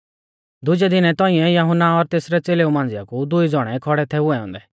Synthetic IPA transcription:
d̪ʊd͡ʒɛd̪ɪnɛt̪ɔ̃ːĩɛ̃jɐɦʊnːaɔɾt̪eːsɾɛt͡seːleumãːnd͡zɪjakud̪ʊid͡zɔɽ̃ɛkʰɔɽɛt̪ʰɛʊɛɔ̃ːn̆d̪ɛ

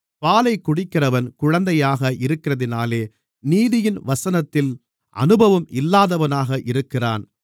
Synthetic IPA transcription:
paːlɐɪkːʊɽɪkːɪrɐʋɐnkʊɻɐnd̪ɐjaːɣɐʔɪɾɯkːɪrɐðɪnaːleː | niːðɪjɪnʋɐsɐnɐt̪ːɪl | ʔɐ̰nɯbɐʋɐmʔɪlːaːðɐʋɐnaːɣɐʔɪɾɯkːɪra̰ːn

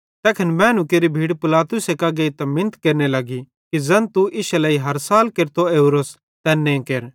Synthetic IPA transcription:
t̪ɛːkʰənbɛ̃ːnukeɾibʱiːɽpɪlaːt̪ʊsekɐɡeit̪ɐmɪ̃nət̪keːɾnelɐɡi | kizɐ̃nt̪uʔɪʃɐlɐiɦɐɾsaːlkeɾt̪oeːuɾos | t̪ɛːnːẽkeːɾ

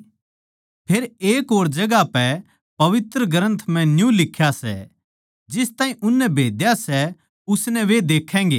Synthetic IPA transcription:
pʰeːɾeːkoːɾd͡ʒɐɡapɛ | pɐʋɪt̪ɾəɡəɾə̃nt̪ʰm̤ɛ̃njũlɪkʰːjasɛ̰ | d͡ʒɪst̪ãːĩʔʊnːɛbʱeːd̪jasɛ | ʊsnɛʋed̪eːkʰːɛ̃ːŋɡḛː

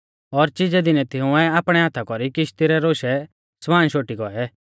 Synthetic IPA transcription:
ɔɾt͡ʃɪd͡zɛd̪ɪnɛt̪ʰɪʊ̃ɛaːpɽ̃ɛɦat̪ʰakɔɾikɪʃt̪iɾɛɾoːʃɛ | sʋaːnʃoːʈiɡɔɛ

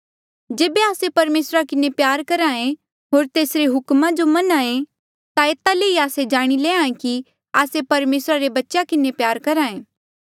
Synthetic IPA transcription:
d͡ʒeːbeaːsepɐɾmeːsɾakɪnepjaːɾkɐɾãːẽ | ɦoːɾt̪eːsɾeɦʊkmãd͡ʒomɐnãːẽ | t̪aeːt̪aleːiaːsed͡ʒaːɽ̃ileːãẽki | aːsepɐɾmeːsɾaɾebɐtːʃakɪnepjaːɾkɐɾãːẽː

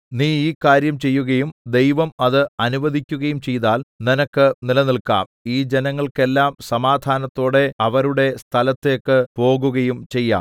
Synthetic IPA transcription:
niːiːkːaːɾjɐmt͡ɕe̞jːuɣɐjumd̪e̞jʋɐmɐðɨɐnuʋɐd̪ʱikʲːuɣɐjumt͡ɕe̞jt̪aːlninɐkːɨnilɐnilka̰ːmiːd͡ʑenɐŋːɐɭke̞lːaːmsɐmaːd̪ʱaːnɐt̪ːo̞ːɽe̞ɐʋɐɾuɽe̞st̪ʰɐlɐt̪ːekːɨpo̞ːɣuɣɐjumt͡ɕe̞jːa̰ːm

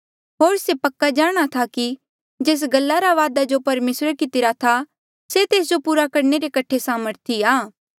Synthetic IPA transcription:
ɦoːɾsepɐkːad͡ʒaːɽ̃at̪ʰaki | d͡ʒeːs̬ɡɐlːaɾaʋaːd̪ad͡ʒopɐɾmeːsɾəɾkɪt̪ɪɾat̪ʰa | set̪eːs̬d͡ʒopuːɾakɐɾɳeɾekɐʈʰesaːməɾt̪ʰiaː

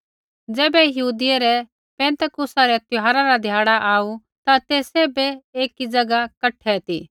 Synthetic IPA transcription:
d͡zɛːbɛjɐɦuːd̪ɪjeɾɛ | pɛ̃ːnt̪əkʊsaɾɛt̪ʊɦaːɾaɾad̪ʱjaːɽaʔaːu | t̪at̪eːseːbɛeːkid͡ʒɐɡakɐʈʰːɛt̪iː

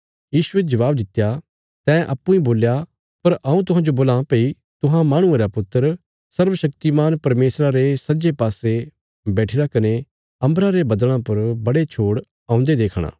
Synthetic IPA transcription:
jiːsʊed͡ʒɐʋaːbd̪ɪt̪ːja | t̪ɛ̃ːʔɐpːũĩboːlja | pɐɾʔɐ̃ũt̪ʊɦãːd͡ʒoboːlãpɐi | t̪ʊɦãmaːɽ̃ʊ̃ẽːɾapʊt̪ːəɾ | sɐɾʋəʃɐk̚t̪imaːnpɐɾmeːsɾaɾesɐd͡ʒepaːse | bɛːʈʰɪɾakɐne | ɐ̃mbɾãɾebɐd̪ɭ̃ãpɐɾbɐɽet͡ʃʰoːɽ | ãːʊ̃nd̪ed̪eːkʰɽ̃ã̰ː

